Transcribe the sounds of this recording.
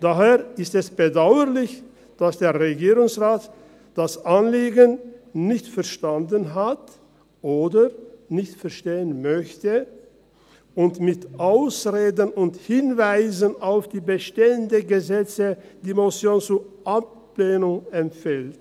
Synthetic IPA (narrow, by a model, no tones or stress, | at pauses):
d̥aɦeːɐɪstɛsb̥ədaʊəʁlɪç | d̥asd̥eːɐʁeɡiːʁʊŋsʁaːt | d̥asʔanliːɡənnɪçtfɛɐʃtandənɦat | ʔoːdənɪçtfɛɐʃteːənmœçtə | ʔʊntmɪtʔaʊsʁeːdənʊnthɪnvaɪzənaʊfd̥iːbəʃteːəndəɡəzɛt͡səd̥iːmosjoːnt͡suʔap̚ | leːnʊŋɛmfɛlt